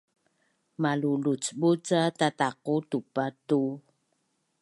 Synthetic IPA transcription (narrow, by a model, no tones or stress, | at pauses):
malulut͡sbut͡satataqutupatu